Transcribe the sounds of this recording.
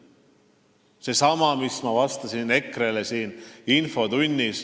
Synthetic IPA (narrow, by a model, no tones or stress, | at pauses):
se̞sɑmɑmismɑvɑst̪ɑsine̞krele̞siːninfo̞t̪unʲːis